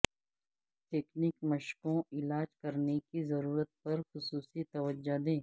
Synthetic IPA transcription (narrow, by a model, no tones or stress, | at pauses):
ʈeːkniːkmɐʃkõɪlaːd͡ʒkɐɾnekizɐɾuːɾət̪̚pɐɾxʊsuːsit̪ɐʋəd͡ʒːad̪ẽː